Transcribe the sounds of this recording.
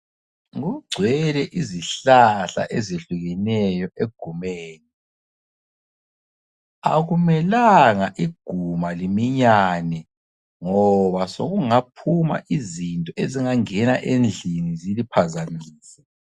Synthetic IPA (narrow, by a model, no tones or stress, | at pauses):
ɣuɡ͡ǀʱwɛlɛʔiziɬaɬa̰ʔezeɬuɣɛnɛjɔʔeɡ̥ʱumeːni | a̰ɣumɛlaŋaʔiɡ̥ʱumalimiɲanɛ | ŋɔβaso̰ɣuŋapʰuma̰ʔizintʼɔeziŋaŋɛna̰ʔend͡ɮʱinizilipʰazamiːsɛ